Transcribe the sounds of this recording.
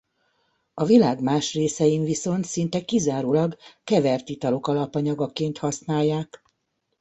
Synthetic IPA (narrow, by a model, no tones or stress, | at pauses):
ɒvilaːɡmaːʃreːsɛjimviso̞nt̪sint̪ɛkizaːɾuːlɒɡkɛvɛrt̪it̪ɒlo̞kɒlɒpɒɲɒɡɒkeːnt̪hɒsnaːjːaːk